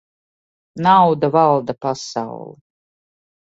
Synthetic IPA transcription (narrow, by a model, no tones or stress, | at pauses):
nawd̪əvalˠd̪apasa̰w̰lˠ